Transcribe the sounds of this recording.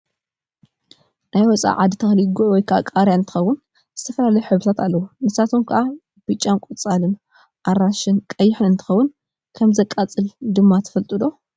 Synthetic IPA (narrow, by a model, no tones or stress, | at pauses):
najwɔt͡sʼa̰ʕad̪ɨt̪ʰɐxliɡuwɔjkʰaʔakʼaɾjaɨnt̪ʰɨxɐwːʊn | zɨt̪ʰɐfɐlalɐjħɨβut̪ʰat̪alːɐwunɨsat̪ʰomkʰɐʔa | b̥ɨt͡ʃʼːankʷʼot͡sʼalɨn | ʔaɾaʃɨnkʼɐjːɪħɨnɨnt̪ʰɨ̥xɐwːʊn | kʰɐmzɐkʼːat͡sʼɨld̪ɨmːat̪ʰɐ̥fɐlt̪ʼɨd̪o̞